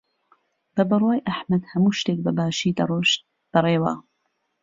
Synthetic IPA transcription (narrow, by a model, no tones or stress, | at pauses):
b̥ɐbɨrwaːjʔaħmɐd̪hɐmuːʃt̪eːk̚bɐbaːʃiːd̪ɐroːʃt̪̚ | b̥ɐreːwa̰ː